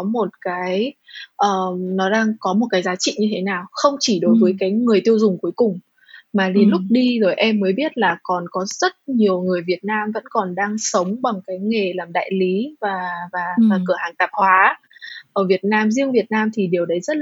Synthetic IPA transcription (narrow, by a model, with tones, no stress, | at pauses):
ɔ˨˦mo˨˩t̚kaː˨˦jʔəː˨˩nɔ˨˦ɗaː˧ŋkɔ˨˦mo˨˩t̚kaː˨˦jzaː˨˦t͡ɕḭ˧˨ɲɨ˧t̪ʰe˨˦naː˨˩wxə˧wŋ͡mt͡ɕi˧˩ɗo˨˦jvəː˨˦jkaː˨˦jŋɨ˨˩əjt̪i˧əwzʊ˨˩ŋ͡mku˨˦jkʊ˨˩ŋ͡m | maː˨˩li˨˩nlʊ˦˥k͡p̚ɗi˧zo˨˩jʔɛ˧mːəː˨˦jɓi˦˥ət̚laː˨˩kɔ˨˩nkɔ˨˦zə˦˥t̚ɲi˨˩əwŋɨ˨˩əjvi˨˩ət̚naː˧mvə̰˧˥nkɔ˨˩nɗaː˧ŋsə˨˦wŋ͡mɓa˨˩ŋŋ͡mkaː˨˦jŋe˨˩laː˨˩mɗa̰ː˧˨jli˨˦vaː˨˩vaː˨˩vaː˨˩kɨ˧˩əhaː˨˩ŋt̪aː˨˩p̚hwaː˨˦ | ʔəː˧˩vi˨˩ət̚naː˧mzi˧əŋvi˨˩ət̚naː˧mt̪ʰi˨˩ɗe˨˩əwɗə˨˦jzə˦˥t̚